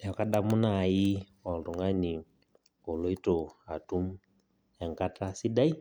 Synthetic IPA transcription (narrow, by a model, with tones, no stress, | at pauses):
a˨ka˦da˦mu˦na˨ji˦ | ɔ˨n˨du˨ŋɡa˦ni˨ | ɔ˨lo˦i˦to˨a˨tu˦m | ja˨ŋka˦ta˦si˦da˦i˦